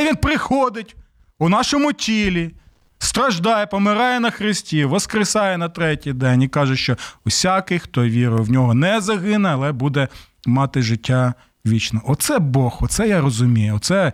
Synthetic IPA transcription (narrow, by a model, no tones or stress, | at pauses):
ʋinpɾɪxɔd̪ɪtʲ | ʊnɑʃɔmʊtʲilʲi | st̪ɾɐʒd̪ɑjɛpɔmɪɾɑjɛnɐxɾɪsʲtʲiʋɔskɾɪsɑjɛnɐt̪ɾɛtʲijd̪ɛnʲikɑʒɛʃt͡ʃɔʊsʲakɪjxt̪ɔʋʲiɾʊjwnʲɔɦɔnɛzɐɦɪnɛɐlˠɛbud̪ɛ | mɑt̪ɪʒɪtʲːa | ʋʲit͡ʃnɔʔɔt̪sɛbɔxɔt̪sɛjaɾɔzʊmʲijʊɔt̪sɛ